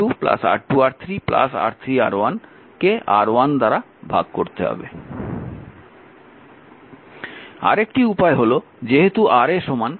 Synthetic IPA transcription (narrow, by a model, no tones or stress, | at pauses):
upla̰sa̰ʈʈuaɾt̪ʰɾipla̰sa̰ɾt̪ʰɾia̰ɾwan | keaɾwand̪aɾa | bʱa̰ɡ̚koɾt̪eɦɔ̰be | a̰ɾekʈiupaeɦolo | d͡ʑeɦet̪uʔaɾeʃɔman